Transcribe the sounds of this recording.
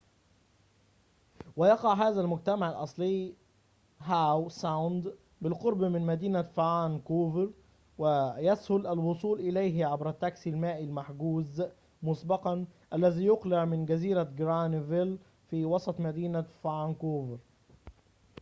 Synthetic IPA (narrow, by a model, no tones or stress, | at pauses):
wajɑqɑʕɦaːðælmʊɡ̚t̪amaʕɪlʔɑsˤlɪjː | ɦawsawnd̪ | bɪlqoɾˤbmɪnmæd̪iːnafaʕaːnkoːvɪɾ | wɪjæshʊlʔælwosˤuːlʔɪlæjɦʕabɾæt̪ːæksɪlmaːʔɪlmaħɡuːz | mʊsbɑqɑnʔælːæziːjʊqlɪʕmɪnɡæziːɾaɡɾanvɪl | fiːwɑsˤɑt̪ˤmæd̪iːnafaʕaːnkoːvɪɾ